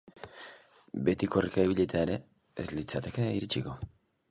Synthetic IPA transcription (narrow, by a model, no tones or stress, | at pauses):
be̞t̪iko̞rikaiβiʎet̪aeɾe̞ | ezlit͡sat̪e̞keiɾit͡ʃiko̞